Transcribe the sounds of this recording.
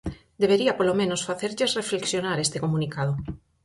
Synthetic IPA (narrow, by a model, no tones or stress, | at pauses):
d̪eβeɾiapolomẽnosfaθeɾʎesrefleksjonaɾest̪ekomũnikað̞o